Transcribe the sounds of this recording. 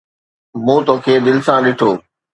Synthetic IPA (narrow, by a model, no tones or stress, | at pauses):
mũːt̪oːkʰeːd̪ɪlɪ̆sãɗɪʈʰoː